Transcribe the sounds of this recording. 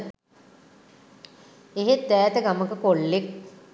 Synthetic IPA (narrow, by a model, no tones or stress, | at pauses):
eɦet̪̚ːæːt̪əɡaməkəkoɭːek̚